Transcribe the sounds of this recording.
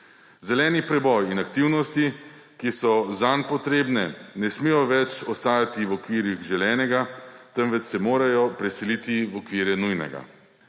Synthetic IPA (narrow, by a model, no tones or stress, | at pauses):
zɛlɛːnipɾɛbɔjinakt̪iwnɔst̪i | kisɔzanpɔt̪ɾeːbnɛnɛsmijɔʋɛt͡ʃɔst̪aːjat̪iwɔkʋiːɾjixʒɛlɛːnɛɡat̪ɛnʋɛt͡s̪ːɛmoːɾajɔpɾɛsilit̪iwɔkʋiːɾjɛnujnɛ̰ɡa̰